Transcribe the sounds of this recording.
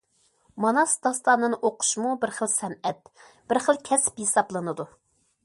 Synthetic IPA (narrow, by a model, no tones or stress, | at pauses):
mɑnɑsd̪ɑst̪ɑnːɨnʔoqʰʊ̥ʃmubɪɾχəlˠsɛnɛt̪̚ | b̥ɪɾχəlˠkʲʰɛsɪ̥pjesɑblˠɨnɨd̪u